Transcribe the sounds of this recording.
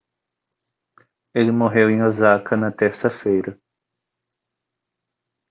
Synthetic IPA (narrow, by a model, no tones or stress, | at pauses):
elɪmoɦewẽj̃ozakʰɐnɐt̪eɾsɐfejɾɐ